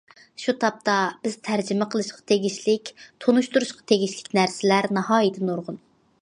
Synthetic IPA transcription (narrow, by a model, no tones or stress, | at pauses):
ʃut̪ʰɑp̚t̪ɑb̥ɪz̥t̪ʰæɾd͡ʒɪmɛqʰəlˠɨʃqʰɑ̥t̪ʰeɡʲiʃlɪkʲt̪ʰonuʃt̪uɾuʃqʰɑ̥t̪ʰeɡʲiʃlɪkʲnæɾsɪlæɾnɑhɑːjid̪ʰɨnuɾʁʊn